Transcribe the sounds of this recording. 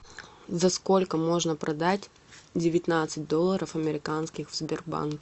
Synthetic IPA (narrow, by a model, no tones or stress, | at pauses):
zɐsko̞lʲkəmo̞ʐnəpɾʔɐd̪atʲ | dʲɪvʲɪt̪nat̪sɨt̚ʲd̪o̞lˠːəɾəfɐmʲɪɾʲɪkanskʲɪxvzbʲɪrba̰nk